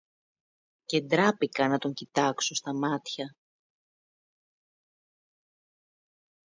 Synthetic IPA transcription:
ce̞nd̪ɾɐpikɐnɐt̪o̞ɲcit̪ɐksost̪ɐmɐt̪çɐ

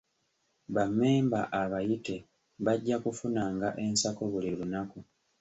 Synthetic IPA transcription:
βamːe̞ːmbaʔaβajite̞ | βaɟːakufunaːŋɡaʔe̞nsako̞βulilunaku

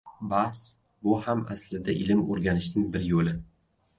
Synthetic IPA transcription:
bas | bʊhama̰slɪd̪aʔɪlɪmoɾɡʲanɪʃnɪŋbɪɾjolɪ

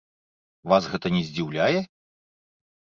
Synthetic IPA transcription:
vasɣɛt̪ɐnʲɛzʲd͡zʲiwlʲajɛ

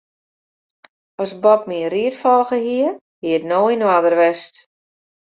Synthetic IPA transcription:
ɔsbɔp̚miriətfɔlˠɣəhiə | hiətnoːinadərʋɛst

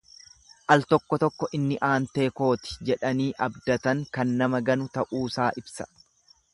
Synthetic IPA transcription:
ʔɐlt̪ɔkːɔt̪ɔkːɔʔɪnːɪʔaːnt̪e̞ːko̞ːt̪ɪ̥d͡ʒɛᶑɐniːʔɐbd̪ɐt̪ɐŋkɐnːɐmɐɡɐnʊt̪ɐʔuːsaːʔɪbsɐ̥

